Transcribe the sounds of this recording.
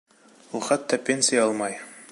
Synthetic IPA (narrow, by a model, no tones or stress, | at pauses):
ulˠχæt̪ːæpʲenʲsʲɪjɑɑlˠmɑj